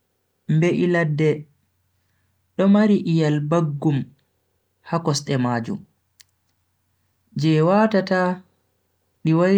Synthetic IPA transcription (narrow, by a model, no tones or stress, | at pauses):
mbeʔiladːɛ | ɗɔmaɾiʔijalbaɡːum | hakɔsɗɛmaːd͡ʒṵm | d͡ʒɛwatata | ɗiwa